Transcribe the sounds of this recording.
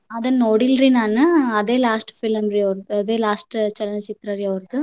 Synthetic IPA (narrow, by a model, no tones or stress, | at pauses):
ɐðɐnoɽilɾinaːnɯɐðeːlaːsʈfɪlɐmɾiɐʋɐɾðɯɐðeːlaːsʈt͡ʃɐlɐnt͡ʃɪt̪ɾɐɾiɐʋɐɾðɯ